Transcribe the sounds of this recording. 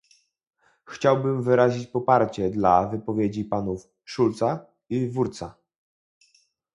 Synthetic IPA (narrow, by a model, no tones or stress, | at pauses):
xt͡ɕawbɘmvɘɾaʑit͡ɕpɔpaɾt͡ɕɛd̪lavɘpɔvʲjed͡ʑipanuf | ʂult̪sa | ivuɾt̪sa